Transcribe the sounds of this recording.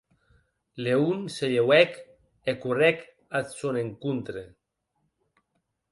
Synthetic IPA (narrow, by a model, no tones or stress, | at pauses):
leunseʎewɛk | ekurɛk | at̪soneŋkunt̪ɾe